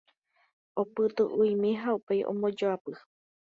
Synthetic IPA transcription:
opɨt̪ɨʔuimẽɦaupejʔõ̰mõd͡ʒoapɨ

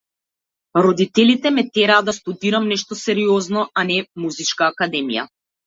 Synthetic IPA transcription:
ɾɔd̪it̪ɛlit̪ɛmɛt̪ɛɾaːd̪d̪ast̪ud̪iɾamnɛʃt̪ɔsɛɾiɔznɔanɛmuzit͡ʃkaːkad̪ɛmija̰

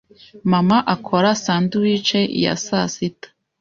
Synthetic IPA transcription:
mamaʔakʰoɾasaːnduwit͡ʃeʔḭja̰sasitḁ

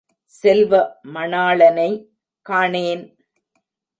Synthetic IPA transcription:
sɛlʋɐmɐɳaːɭɐnɐɪ | kaːɳeːn

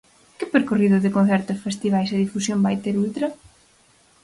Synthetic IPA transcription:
kɪpeɾkoriðʊðɪkõnθɛɾt̪ʊsfest̪iβ̞ajsɪðifusjombajt̪eɾult̪ɾɐ

